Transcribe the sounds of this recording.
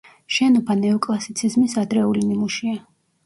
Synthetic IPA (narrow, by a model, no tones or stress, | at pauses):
ʃɛnɔbʰanɛɔkʼlˠasit̪sʰizmisad̪ɾɛulinimuʃia